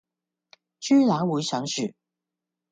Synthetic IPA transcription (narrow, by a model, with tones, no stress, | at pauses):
t͡ʃyː˥laː˨˥wu˨˥sɐ˨˥ŋʃy˨˩